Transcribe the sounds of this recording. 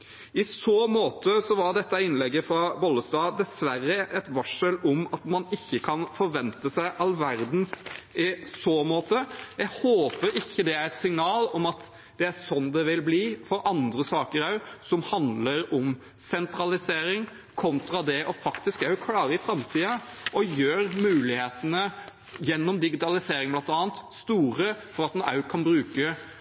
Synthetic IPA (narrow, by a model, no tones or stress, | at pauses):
ɪsoːmoːt̪ʰəsɔʋɑɾɖ̪ɛt̪ːəɪnlɛɡːəfɾɑbɔlːəst̪ɑːd̪ɛsʋæɾːəʔɛt̪ʋɑʂəlɔmɑt̪mɑnɪçːəkʰɑnfɔɾʋɛnt̪əsæɪʔɑlʋæɾd̪n̩sɪsoːmoːt̪əjæɡhoːpəɾɪçːəd̪ɛæɾɛt̪sɪŋnɑːlɔmɑt̪ | d̪̥ɛæɾsɔnːd̪ɛʋɪlbliːfɔɾʔɑnd̪ɾəsɑːkəɾɑʉsɔmhɑnd̪ləɾɔm | sɛnt̪ɾɑlɪseːɾɪŋ | kʰɔnt̪ɾɑd̪ɛʔɔfɑkt̪ɪskɑʉkʰlɑːɾəɪfɾɑmt̪ʰiːɑ | ʔɔjøːɾmʉːlɪheːt̪ənə | jɛnːɔmd̪ɪɡɪt̪ɑlɪseːɾɪŋblɑnt̪ɑːnt̪st̪uːɾəfɔɾɑt̪ɛnɑ̰ʉkʰɑnbɾʉːkə